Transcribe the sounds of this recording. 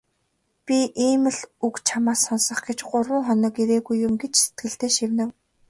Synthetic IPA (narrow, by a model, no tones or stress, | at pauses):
pʲiʔiːmɘ̆ɮukt͡ɕʰamaːsɔnsɞ̆χɡet͡ɕɢʊrwə̆ŋχɔnɞ̆kiɾeːɣujːʊmɡet͡ɕse̥t̪̚ɡɘ̆ɬt̪eːʃiwnɘ̆w